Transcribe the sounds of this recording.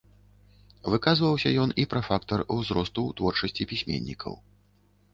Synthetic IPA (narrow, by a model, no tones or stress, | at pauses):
vɨkazvɐwsʲɐjɔnipɾɐfakt̪ɐruwzɾɔst̪ut̪vɔrt͡ʂɐsʲt͡sʲipʲisʲmʲɛ̰nʲːikʰɐ̰w